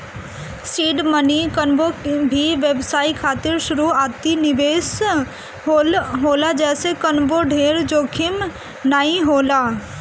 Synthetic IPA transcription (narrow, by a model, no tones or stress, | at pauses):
siːɖmənikənbobʱiʋebsaːikʰaːt̪ɪɾʃʊɾuaːt̪inɪʋeːs | ɦolɦoːlad͡ʒɛːsekənboɖʱeːɾd͡ʒoːkʰɪm | naːĩɦoːla